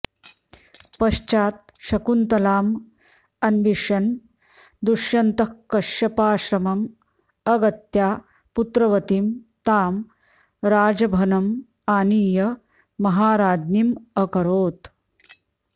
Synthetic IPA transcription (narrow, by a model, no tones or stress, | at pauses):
pɐʃt͡ʃaːt̪̚ | ʃɐkunt̪ɐlaːm | ɐnʋiʂɐn | d̪uʂjɐnt̪ɐkːɐʃjɐpaːʃɾɐmɐm | ɐɡɐt̪jaː | put̪ɾɐʋɐt̪imt̪aːm | ɾaːd͡ʒɐbʱɐnɐm | aːniːjɐ | mɐɦaːɾaːd̪nimɐkɐɾoːt̪